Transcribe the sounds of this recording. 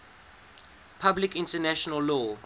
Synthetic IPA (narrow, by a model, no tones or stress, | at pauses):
pʰablikĩntʰɛnɛʃɔnalːɔ